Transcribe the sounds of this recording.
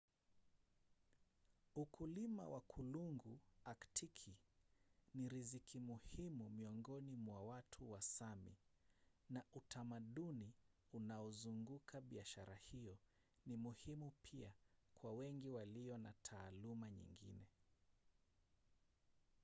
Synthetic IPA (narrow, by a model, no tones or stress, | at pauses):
ukulima̰wʔakʰuluŋɡuaktʰikʰi | niɾizikimuhimumiɔŋɡɔnimwawatʰuwasamḭ | naʔutʰamaɗuni | unaɔzuŋɡukʰaɓiaʃaɾahijɔ | nimuhimupʰiakwawɛŋɡiwaliɔnatʰaːlumaɲḭŋɡḭnɛ